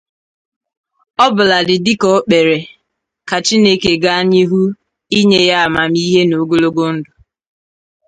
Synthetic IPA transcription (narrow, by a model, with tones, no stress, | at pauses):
ɔ˦bʊ˨la˨dɪ˨dɪ˦kɔ˨˦k͡pe˨ɾe˨ | ka˨t͡ʃi˦ne˦ke˨ɡa˦a˦ɲɪ˦ɦu˦ | i˦ɲe˦ja˦a˨ma˨mi˦ɦe˦no˨˦ɡo˦lo˦ɡo˦n̩˦dʊ˨